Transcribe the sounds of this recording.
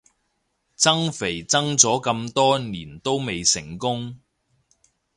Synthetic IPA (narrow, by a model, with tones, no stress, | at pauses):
t͡sɐ˥ŋfe˨˩jt͡sɐ˥ŋt͡sɔː˨˥kɐ˧mt̪ɔː˥niː˨˩nt̪o˥wme˨jsɪ˨˩ŋkʊ˥ŋ